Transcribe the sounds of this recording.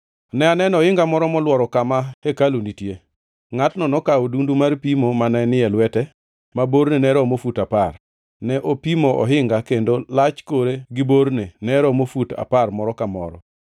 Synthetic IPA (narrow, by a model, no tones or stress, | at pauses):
nɛanɛnɔɪŋɡamɔɾɔmɔlwɔɾɔkamahekalunitje | ŋatnɔnɔkaodundumarpimomanɛnɪɛlwɛtɛ | maboɾnenɛɾɔmofutapar | nɛʔopimoʔɔ̰ɦɪŋɡakendolat͡ʃkoɾeɡɪboɾnenɛɾɔmofuta̰parmɔɾɔkamɔ̰ɾɔ̰